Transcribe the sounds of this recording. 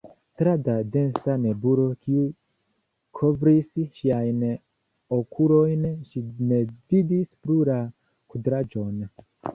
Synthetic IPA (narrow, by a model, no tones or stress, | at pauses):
tɾadade̞nsane̞buɾo̞kiu | kʰovɾisʃiajn | okʰulo̞jnʃine̞vidispluɾa | kudɾad͡ʒo̞n